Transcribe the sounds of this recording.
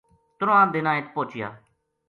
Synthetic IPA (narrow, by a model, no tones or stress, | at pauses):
t̪ʊɾõãːd̪enãːet̪̚poːt͡ʃɪja̰ː